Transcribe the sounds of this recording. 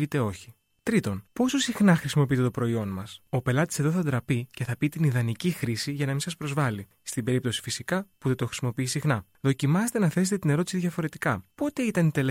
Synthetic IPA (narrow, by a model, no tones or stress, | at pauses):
it̪e̞o̞çi | t̪ɾit̪o̞npo̞so̞sixnɐxɾisimo̞piit̪et̪opɾo̞io̞nmɐso̞pe̞lɐt̪i̥se̞ðo̞θɐd̪ɾɐpice̞θɐpit̪iniðɐnicixɾisiʝɐnɐminsɐspɾo̞zvɐli | st̪ibe̞ɾip̚t̪o̞si̥fisikɐpuðe̞t̪oxɾi̥simo̞piisixnɐ | ðo̞cimɐset̪e̞nɐθe̞set̪e̞t̪ine̞ɾo̞t̪isiðʝɐfo̞ɾe̞t̪i̥kɐpo̞t̪e̞it̪ɐnit̪e̞le